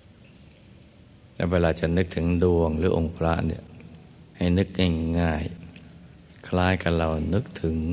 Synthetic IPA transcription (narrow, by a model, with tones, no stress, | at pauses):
t̪ɛ̰ː˧˥weː˧laː˧t͡ɕa˨˩ʔnɯ˦˥k̚t̪ʰɯ˨˩˦ŋdu˧əŋɾɯː˩˦ʔo˧˩ŋpʰɾa˦˥ʔni˧˩ə | ha˥˩jnɯ˦˥k̚ɲa˥˩ŋaː˧˥˩j | kʰlaː˦˧˥jka˧nla˧˩wnɯ˦˥k̚t̪ʰɯ˩˦ŋ